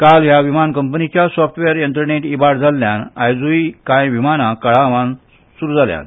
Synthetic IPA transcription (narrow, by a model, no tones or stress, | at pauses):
kalɦjaʋimankəmpənit͡ɕjasɔfʈʋeɾjənt̪ɾəneʈibaɽd͡zʱalːjana̰jd͡zuikãjʋimanakəɭaʋãn | suɾuːd͡zʱalja̰n